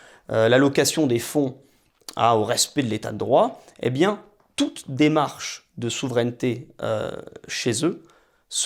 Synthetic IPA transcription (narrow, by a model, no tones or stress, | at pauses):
ølalɔkasjɔ̃d̪efɔ̃ | a̰oʁɛspɛd̪əlet̪a̰d̪əd̪ʁwaḛbjɛ̃ | t̪ut̪d̪emaʁʃ | d̪əsuvʁɛnt̪eø̰ʃezø | s